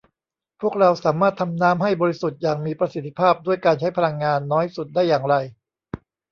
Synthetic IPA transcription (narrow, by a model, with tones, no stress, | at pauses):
pʰu˥˩ək̚ɾa˧wsaː˩˦maː˥˩t̪ʰːa˧mnaː˦˥mɦa˥˩jbɔː˧ɾi˦˥su˨˩t̪̚jaː˨˩ŋmiː˧pɾa˧si˨˩t̪ʰːi̥˦˧pʰaː˥˩p̚du˥˩əjkaː˧nt͡ɕʰa˦˥jpʰa˧la˧ŋːaː˧nːɔː˦˥jsu˨˩t̪̚daː˥˩jːaː˨˩ŋɾa˧j